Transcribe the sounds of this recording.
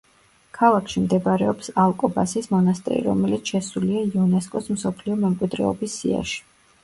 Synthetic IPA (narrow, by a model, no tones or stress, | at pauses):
kʰalˠakʰʃimd̪ɛbɾɛɔpsalˠkʼɔba̰sismɔnast̪ʼɛ̰ɾḭɾɔ̰mɛlit̪sʰʃɛsuliaiɔnɛskʼɔsmsɔpʰliɔmɛmkʼwid̪ɾɛ̰ɔbisːḭa̰ʃi̥